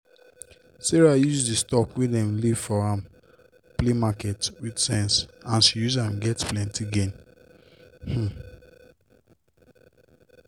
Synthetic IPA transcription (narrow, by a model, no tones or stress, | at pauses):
sɛɹajuzdistɔkwidɛ̃mliv̥fɔãm | plemakɛtwidsɛ̃nsãnʃijuzãmɡɛtplɛ̃ntiɡẽn | h̩